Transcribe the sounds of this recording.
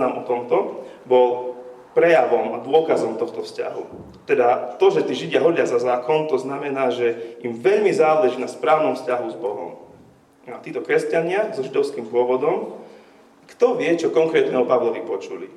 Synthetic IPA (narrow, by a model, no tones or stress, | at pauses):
amɔt̪ɔmt̪ɔ | bɔl | pɾɛjaʋɔmad̪ʊɔkazɔmt̪ɔxt̪ɔfsca̰ɦṵ | t̪ɛd̪at̪ɔʒɛt̪iːʒiɟɪaɦɔɟɪazazaːkɔnt̪ɔznamɛnaːʒɛimʋɛʎmizaːlɛʒiːnaspɾaːʊnɔmfscaɦuzbɔɦɔ̰m | at̪iːt̪ɔkɾɛscaɲɪazɔʒid̪ɔʊskiːmpʊɔʋɔd̪ɔm | kt̪ɔʋɪɛt͡ʃɔkɔŋkɾɛːt̪nɛːɦɔpaʋlɔʋipɔt͡ʃulḭ